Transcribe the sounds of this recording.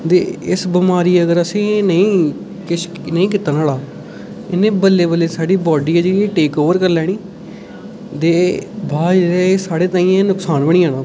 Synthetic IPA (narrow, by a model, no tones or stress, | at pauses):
t̪ḛːɪsbɪmaːɾiːəɡəɾəsẽːnəĩː | kɪʃ | nəĩːk̬ɪt̪aːnaːlaː | ɪnːẽːbəlːeːbəlːeːsaːɖiːbɔːɖiːaːd͡ʒeɽieːʈeːkoːʋəɾkəɾlɛːɽ̃iː | t̪eːbʱaːd͡ʒɾɛesaːɽeːt̪aːĩːẽnʊksaːnbəɳ̃iːãːnãː